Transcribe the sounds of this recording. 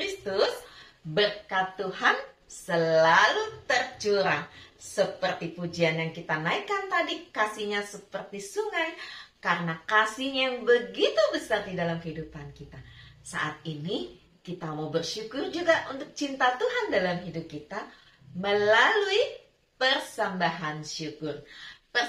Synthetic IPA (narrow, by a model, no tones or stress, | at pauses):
kɾist̪ʊs | bərkat̪uɦansəlalut̪ərt͡ʃuɾasəpərt̪ipud͡ʒianjaŋkit̪anaikant̪adikasihɲasəpərt̪isuŋajkaɾənakasihjaŋbəɡit̪ubəsardidalamkəhidupankit̪asa̰ʔat̪̚ini | kit̪amawbərʃukʊrd͡ʒuɡaʔunt̪ʊk̚t͡ʃint̪at̪uɦandalamɦidup̚kit̪a | məlalui | pərsambaɦanʃukʊrpə